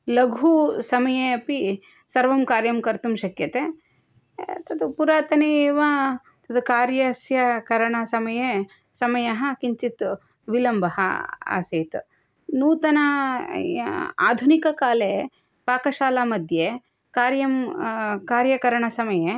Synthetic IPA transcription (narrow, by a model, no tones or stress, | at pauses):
lɐɡʱusɐmɐjeɐpi | sɐɾʋɐmkaːɾjɐmkɐɾt̪umʃɐkjɐt̪e | t̪ɐd̪upuɾaːt̪ɐneːʋa | t̪ɐd̪ukaːɾjɐsjɐkɐɾɐɳɐsɐmɐje | sɐmɐjɐɦɐ̆kiɲt͡ʃit̪ | ʋilɐmbʱɐɦɐ̰a̰ːseːt̪ | nuːt̪ɐnɐ | a̰ːd̪ʱunikɐkaːle | paːkɐʃaːlaːmɐd̪ʱje | kaːɾjɐmkaːɾjɐkɐɾɐɳɐsɐmɐje